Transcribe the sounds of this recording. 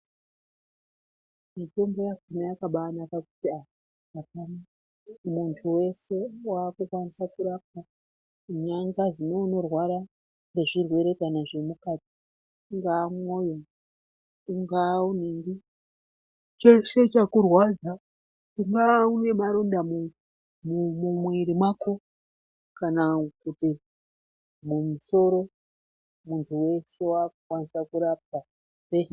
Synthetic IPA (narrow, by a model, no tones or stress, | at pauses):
mito̞mbo̞jakunajakaɓaːnakaku̥tia | apana | muntʰuwe̞se̞waːkukwanisakuɾap̚a | uɲaŋɡazino̞uno̞rwaɾa | ŋɡe̞ʐirwe̞ɾe̞kanaʐe̞mukati̥ | ŋɡaːmojo | kuŋɡaunendi | t͡ʃeʃet͡ʃakurwad͡za | kuŋɡaune̞maɾondamu | mumumwiɾimwako | kanakuti | mumuso̞ɾo̞ | muntʰuwe̞ʃe̞wakkwanisakuɾap̚a | pe